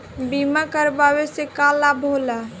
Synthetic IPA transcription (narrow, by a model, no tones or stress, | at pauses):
bimakəɾbawesekalabʱola